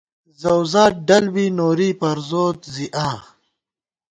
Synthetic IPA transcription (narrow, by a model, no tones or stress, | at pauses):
zɐwzaːɖɐlbiːnoːɾiːpɐɾzoːt̪ziʔãː